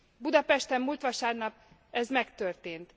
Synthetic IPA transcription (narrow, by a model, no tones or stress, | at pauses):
bud̪ɒpɛʃt̪ɛmːult̪ʋɒʃaːrnɒp̚ | ɛzmɛkt̪ørt̪eːnt̪